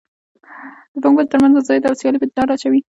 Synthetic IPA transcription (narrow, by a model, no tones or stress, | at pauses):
d̪̥əfʊŋɡəlt̪əɾmanzd̪əzɑjd̪əawsjɑlipət̪d̪ɑɾat͡ʃawi